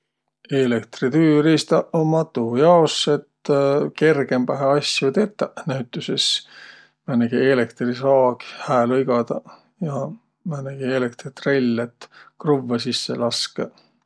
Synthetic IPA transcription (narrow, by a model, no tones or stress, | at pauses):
elekt̪rit̪yːɾist̪ɑomɑt̪uːjɑoset̪ːke̞rɡe̞mpɑɦeɑsjut̪e̞t̪ːˑɑnæɥt̪ːˑuses | mænæɡ̥iele̞kt̪risɑːɡhæːlɤiɡɑd̪ɑ | jɑ | mænæɡ̥ielek̚t̪rit̪relʲːet̪kruvːesisːḛlɑske